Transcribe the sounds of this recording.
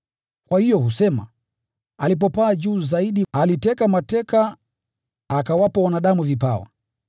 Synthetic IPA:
kwahijɔhusɛma̰ | alip̬ɔpaːd͡ʒuːzaiɗialitɛkamatɛkaː | kawapawanaɗamuvipawa̰

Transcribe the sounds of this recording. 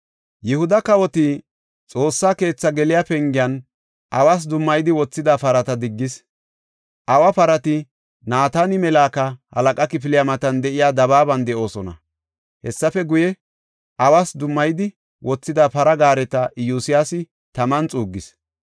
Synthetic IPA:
jɛhʊd̪ɐkɐwɔt̪ɪ | t͡sʼo̞ːsːaːke̞ːt͡sːɐɡɛlɪjaːpɛŋɡɪjɐn | ʔɐwaːs̬d̪ʊmːɐjd̪ɪwɔt͡sːɪd̪apɐɾɐt̪ɐd̪ɪɡːɪs | ʔɐwɐpɐɾɐt̪ɪ | naːt̪anɪmɛlaːkɐhɐ̰lɐkʼɐkɪp̬ɪlɪjamɐt̪ɐnd̪ɛʔɪjaːd̪ɐβaːbɐnd̪ɛʔo̞ːsɔnɐ̰ | hɛsːɐfɛɡʊjɛ | ʔɐwaːsd̪ʊmːɐjd̪ɪ | wʔɔt͡sːɪd̪apɐɾɐɡaːɾɛt̪ɐʔɪjuːsɪjasɪ | t̪ɐmɐnt͡sʼuːɡːɪs

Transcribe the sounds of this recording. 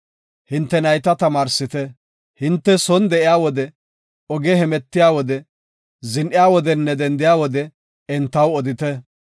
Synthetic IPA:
hɪnt̪ːɛnɐjt̪ɐt̪ɐmaːɾsɪt̪ɛ | hɪnt̪ːɛsɔnd̪ɛʔɪjaːwɔd̪ɛ | ɔɡɛɦɛmɛt̪ːɪjaːwɔd̪ɛ | zɪnʔɪjaːwɔd̪ɛnːɛd̪ɛnd̪ɪjaːwɔd̪ɛ | ɛnt̪ːɐwɔd̪ɪt̪ɛ

